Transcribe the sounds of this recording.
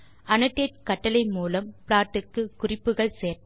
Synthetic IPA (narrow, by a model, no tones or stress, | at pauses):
ʔɐnɐʈːeːʈ̚kɐʈːɐlɐɪmuːlɐmpɭaːʈːɯkːɯkʊrɪpːɯɣɐɭseːɾ